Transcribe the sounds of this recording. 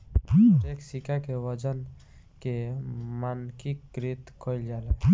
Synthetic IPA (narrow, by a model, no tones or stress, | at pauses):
ʈeksikakewəd͡ʒən | kemankikɾit̪kʰoild͡ʒaːla